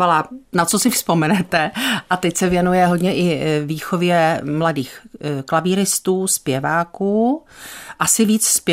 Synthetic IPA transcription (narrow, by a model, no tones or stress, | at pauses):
alanat̪t͡sosɪfspo̞mɛnɛt̪ɛʔat̪ɛcsɛvjɛnujɛɦo̞dɲɛʔɪviːxo̞vjɛmladiːxklaviːɾɪst̪uːspjɛvaːkuː | ʔasɪviːt͡ssp